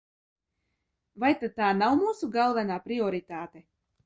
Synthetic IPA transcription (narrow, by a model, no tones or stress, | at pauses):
vajt̪ad̪̚t̪aːnawmuːsuɡalˠvɛnaːpɾiɔɾit̪aːt̪e